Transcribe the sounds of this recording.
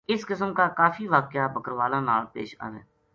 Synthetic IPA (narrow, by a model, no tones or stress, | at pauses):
ɪskɪsəmkaːkaːfiːʋaːkɪjaːbəkəɾʋaːlãːnaːlpḛːʃa̰ːʋḛ̃ː